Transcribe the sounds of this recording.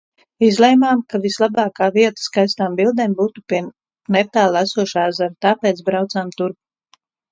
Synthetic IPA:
izlˠɛjmaːmkavislˠabaːkaːviɛt̪ḁskajst̪aːmbilˠd̪eːmbuːt̪upiɛ | nɛpt̪aːlˠasuɔʃaːzaɾt̪aːpeːt̪sbɾawt̪saːmt̪uɾp

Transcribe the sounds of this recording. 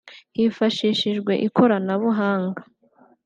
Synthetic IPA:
hifaʃiʃiʒɡwe̞̰ʔikʰo̞ɾanaβuɦaːŋɡḁ

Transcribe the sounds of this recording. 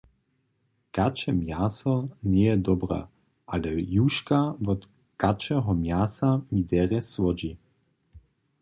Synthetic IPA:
kat͡ʃɛmjasɔnɛjɛd̪ɔbɾɛ̰ | ʔalɛjuʃkavɔt̪ | kat͡ʃɛɦɔmjasamid̪ɛʁɛsvɔd͡ʑi

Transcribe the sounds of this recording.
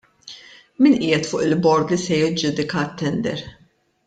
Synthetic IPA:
miːnʔɪːjɛt̪fʊːʔɪlbɔɾd̪lisɛjɪd͡ʒuːd̪ɪkɐt̪ːɛnd̪ɛ̰ɾ

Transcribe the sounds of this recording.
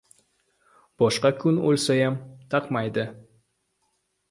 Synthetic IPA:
b̥ɒʃqɑkʉno̰lʲsɑjɑmt̪ʰɑqmɑjd̪ɤ

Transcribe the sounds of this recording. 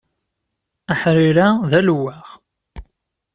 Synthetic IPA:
əħɾiɾaðælwæʁ

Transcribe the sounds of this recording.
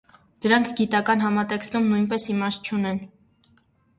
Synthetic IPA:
d̪̥əɾɑŋkʰɡit̪ɑkɑnɦɑmɑt̪ɛkst̪umnujnpɛsimɑʃ̚t͡ʃʰunɛn

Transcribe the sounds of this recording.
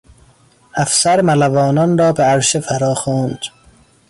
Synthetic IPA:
æfsæɾmælævɒːnɒnɾɒːbeæɾʃefæɾɒːxoːnd̪̥

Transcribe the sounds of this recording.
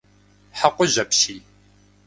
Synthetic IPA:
ħaqʷʊʑɐpɕiː

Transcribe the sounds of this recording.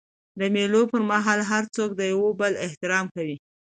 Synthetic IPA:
d̪əmelopəɾmaɦɑlɦaɾt͡sok̚d̪əjawobəlɪht̪ɪɾɑmkawi

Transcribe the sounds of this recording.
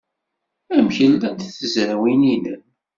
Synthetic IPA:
æmçəlːæd̪θəzɾæwininə

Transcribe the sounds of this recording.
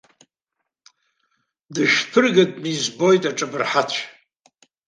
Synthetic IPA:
dɨʒpʰɨrɡadnizbo̞jtʼaʈ͡ʂʼabɨrħat͡ɕʷʰ

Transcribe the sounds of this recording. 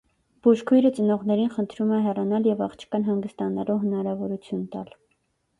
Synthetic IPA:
b̥uʃkʰujɾət͡sənɔʁnɛɾinχənt̪ʰɾumɛɦɛrɑnɑljɛvɑχt͡ʃʰə̥kɑnɦɑŋɡəst̪ɑnɑluɦənɑɾɑvɔɾut͡sʰjunt̪ɑ̰l

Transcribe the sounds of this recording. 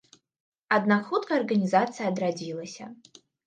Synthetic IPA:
ad̪naxut̪kɐːrɣɐnʲizat̪sɨjɐːd̪ɾad͡zʲilˠɐsʲɐ̰

